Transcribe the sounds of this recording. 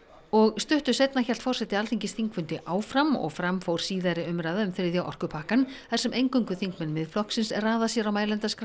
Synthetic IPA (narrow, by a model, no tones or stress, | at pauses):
ɔɣst̪ʏht̪ʏ̥sejt̪naçɛlt̪fɔr̥sɛht̪ɪalθiɲcɪsθiŋkfʏnt̪ɪʔaːwfɾamɔ̰ɣfɾamfowɾ̥siːðaɾɪʏmɾaːjðaʏmfɪɾɪðjawʔɔ̰r̥kʏpʰahkanθḁsɛmʔejŋkʏŋkʏθiŋkmɛnmɪðflɔhksɪnsɛraːðasjɛɾawmaːjlɛnt̪askɾ